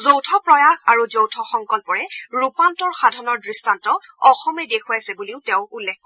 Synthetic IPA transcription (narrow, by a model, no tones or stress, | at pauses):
zowtʰɔpɹɔjaxaɹuzowtʰɔxɔŋkɔlpɔɹɛɹupantɔɹxadʱɔnɔɹdɹistantɔɔxɔmɛdekʰuajsɛbuliʊtɛʊ̃ulːekɔ